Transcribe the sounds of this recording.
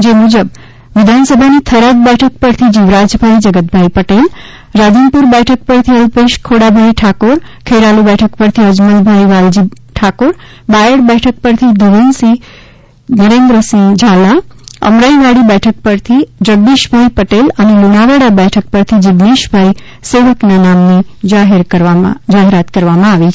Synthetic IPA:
d͡ʒemud͡ʒəb | ʋid̪ʱansəbʱanit̪ʰəɾad̪̚bɛʈʰək̚pəɾt̪ʰid͡ʒiʋɾad͡ʒbʱajd͡ʒʌɡət̪̚bʱajpəʈel | ɾad̪inpuɾbɛʈʰək̚pəɾt̪ʰiʌlpeʃkʰoɽabʱajʈʰakoɾkʰeɾalubɛʈʰəkpəɾt̪ʰiɦəd͡ʒmənd̪bʱajʋald͡ʒi | ʈʰakoɾ | bajəɽbɛʈʰək̚pəɾt̪ʰid̪uʋensi | nəɾend̪ɾəsĩd͡ʒʱalaə̰mɾaiʋaɽibɛʈʰək̚pəɾt̪ʰid͡ʒəɡ̚ɖiʃbʱaipəʈelənemunaʋaɽabɛʈʰək̚pəɾt̪ʰid͡ʒɪbniʃbʱai | seʋəknanamnid͡ʒaɦeɾəɾd͡ʒaɦeɾat̪kəɾʋamãaʋit͡ʃʰ

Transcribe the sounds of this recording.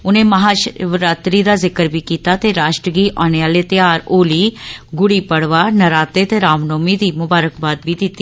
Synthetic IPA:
ʊnẽːməɦaːʃʋɾaːt̪ɾiːd̪aːzɪkəɾbiːkiːt̪aːt̪eːɾaːʃʈɾəɡiːʔaːñeːaːleːt̪ɪjaːɾoːliːɡʊɽiːpəɽʋaːnəɾaːt̪eːt̪eːɾaːmnoːmiːd̪iːmʊbaːɾəkbaːd̪biːd̪ɪt̪ːi

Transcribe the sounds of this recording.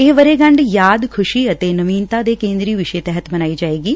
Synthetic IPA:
eːʋəɾeːɡəɳɖjaːd̪kʰʊʃiːət̪eːnəʋiːnt̪aːd̪eːkẽːnd̪ɾiːʋɪʃeːt̪ɛːɦət̪mənaːiːd͡ʒaːeːɡiː

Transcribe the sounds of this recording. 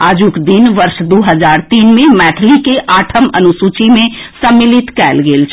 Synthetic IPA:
ad͡ʒukd̪inʋəɾʃd̪uɦəd͡ʒaɾt̪inmemɛʈʰlikeʔaʈʰəmənusut͡ʃimesəmːilit̪kɛlɡelt͡ʃʰ

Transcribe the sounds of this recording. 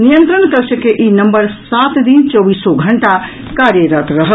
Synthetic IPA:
nijənt̪ɾənkəɾt͡ʃʰəkeʔinəmbəɾsat̪d̪int͡ʃɔbisɔɡʱəɳʈa | kaɾjəɾət̪ɾəɦə

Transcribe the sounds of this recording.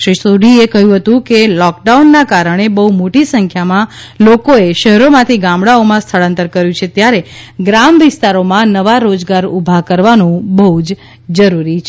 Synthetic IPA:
ʃɾɪʃsoɖʱiekəɦjũɦət̪ũkelɔk̚ɖaunːakaɾəɳ̃ebəɦumoʈisəŋkʰjamã | lokoeʃəɦɛɾomãt̪ʰiɡãmɽaomãst̪ʰəɭə̃nt̪əɾkəɾjũt͡ʃʰet̪jaɾeɡɾamʋɪst̪aɾomãnəʋaɾod͡ʒɡaɾubʱakəɾʋanũbəɦud͡ʒ | d͡ʒəɾuɾit͡ʃʰ

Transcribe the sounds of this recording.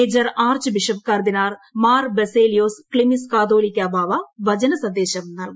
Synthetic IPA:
eːd͡ʒɐɾaːɾt͡ʃbɪʃəp̚kɐɾd̪ɪnaːɾmaːɾbɛseːlijoːsklɪmiskaːd̪oːlikeɐbʱaːʋaʋɐd͡ʒɐnɐsɐd̪eːʃɐmnɐl

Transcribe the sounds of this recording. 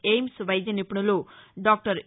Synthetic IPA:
eːjmsʋɐjd̪jɐnipːuɳɐloːɖaːk̚ʈɐɾ

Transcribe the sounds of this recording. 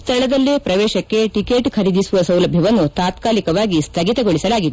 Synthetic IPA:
st̪ʰɐɭɐd̪ɐlːipɾɐʋɛːʃɐkːe̞ʈikeːʈkʰɐɾid̪isuʋɐsɐwlɐbʱjɐʋɐnːut̪aːt̪kaːlikɐʋaːɡist̪ʰɐɡit̪ɐɡo̞ɭisɐlaːɡid̪e

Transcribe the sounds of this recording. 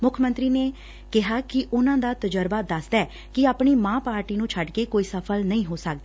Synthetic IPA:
mʊkʰmə̃nt̪ɾiːneː | kɪɦaːkɪʔʊnãːd̪aːt̪əd͡ʒəɾbaːd̪əsd̪ɛː | kɪaːpɳiːmãːpaːɾʈiːnũːt͡ʃʰəɖkeːkoːiːsəpʰəlnəĩːɦoːsək̚d̪aː

